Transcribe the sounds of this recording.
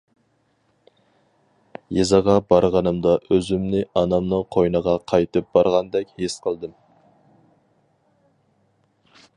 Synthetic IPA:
jezɑʁɑbɑɾʁɑnɨmd̪ɑʔɵzɪmnɪʔɑnɑmnəqʰojnɑʁɑqʰɑjt̪ɨp̚b̥ɑɾʁɑnd̪ɛkʲhesqʰəlˠd̪əm

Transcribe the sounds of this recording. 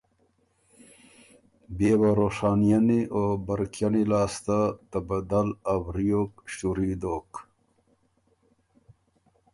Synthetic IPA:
beːwaɾoʂaːnijaniʔobɐɾkjanilaːst̪at̪ɐbɐd̪ɐlabɾijokɕuɾiːd̪oːk

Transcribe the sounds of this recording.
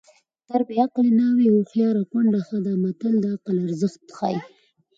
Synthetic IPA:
t̪aɾbiaqlenɑwewoxjɑɾakwaɳɖaxad̪amat̪əld̪əaqəlaɾzəxt̪xɑ̰ji

